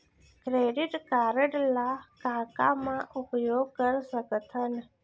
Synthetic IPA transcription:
kɾeɖiʈkaɾəɽlakaːka̰mãʔʊpjoɡ̚kəɾsəɡət̪ʰən

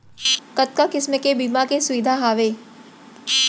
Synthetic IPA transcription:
kɐt̪̚kakɪsmekebiːmakesʊʋɪd̪ʱaɦaːʋeː

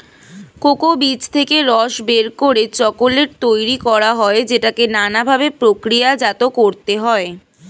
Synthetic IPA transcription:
kokobit͡ɕt̪ʰekeɾɔʃbeɾkoɾet͡ɕɔkoleɾt̪ojɾikɔɾaɦɔed͡ʑeʈakenanabʱabepɾokɾijad͡ʑat̪okoɾt̪eɦɔe

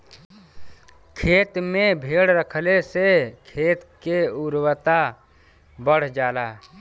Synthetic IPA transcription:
kʰeːt̪mẽbʱeːɽɾəkʰlesekʰeːt̪keʊɾwət̪a | bəɽ̤d͡ʒaːlaː

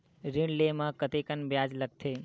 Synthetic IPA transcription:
ɾĩɳɖlemãkət̪ekənbjad͡ʒləɡ̚t̪ʰe

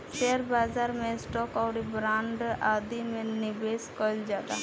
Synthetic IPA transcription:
ʃeəɾbaːzaːɾmẽsʈɔːkɔːɾibɾãːɳɖaːd̪imẽnɪbeːskɔld͡ʒaːd̪a̰ː

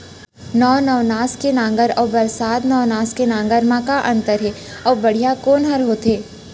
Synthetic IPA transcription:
nɔːnɔːʋnaːskenãːŋɡəɾɔːɾbɐɾsaːt̪nɔːnaːskenãːŋɡəɾmãkaʔɐ̃nt̪əɾɦɛ | ɔːɾbɐɽ̤ijakoːnɦəɾɦoːt̪eː

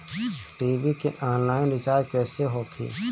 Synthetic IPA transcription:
ʈiːbikeʔɔːnlaːɪnɾɪt͡ʃaːɾkɛːseɦoːkʰḭː

